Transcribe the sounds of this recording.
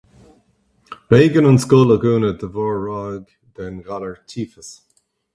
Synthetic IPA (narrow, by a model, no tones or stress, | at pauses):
ɹeːɡənənskʊləɡuːnəd̪əvɔːɹːɑːɡ | d̪ɛnɡaləɹtʰiːfəs